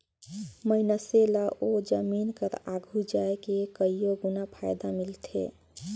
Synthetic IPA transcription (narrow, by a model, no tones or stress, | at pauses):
məinəselaʔod͡ʒəminkəɾaɡʱud͡ʒaekekəijoɡunapʰajd̪amilt̪ʰḛ